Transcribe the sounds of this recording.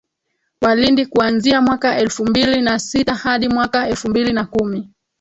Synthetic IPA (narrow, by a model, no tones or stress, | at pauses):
walindikuanziamwakaʔɛlfumbilinasitahaɗimwakaɛlfumbilinakumi